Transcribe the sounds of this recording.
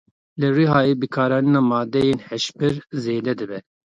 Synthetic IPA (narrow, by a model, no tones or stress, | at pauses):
lɨriɦɑːjeːbɨkʰɑːɾɑːninɑːmɑːd̪ɛjeːnhɛʃpɨɾzeːd̪ɛd̪ɨbɛ